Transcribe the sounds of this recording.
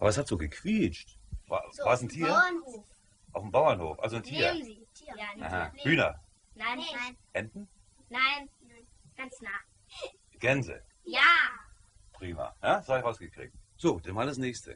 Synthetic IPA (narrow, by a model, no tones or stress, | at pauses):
ʔaːbɐshatz̥oːɡəkʰv̥iːt͡ʃtva̰ːvaːɐsn̩tʰiːɐ | ʔaʊfm̩baʊɐnhoːfʔa̰lzontʰiːɐ | ʔa̰hahyːnɐ̰ | ʔɛndn̩ | nan | ɡ̥an | ɡ̥ɛnzə̰ | ja | pʁ̥iːma̰jaːsaːɪçʁʔaʊsɡ̥əkʁ̥ḭːk̚tz̥oːd̥anmaːldasnɛːçstʰə̰